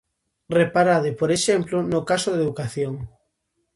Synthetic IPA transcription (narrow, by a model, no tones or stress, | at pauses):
repaɾaðepoɾeʃemplonokasoðeðukaθjoŋ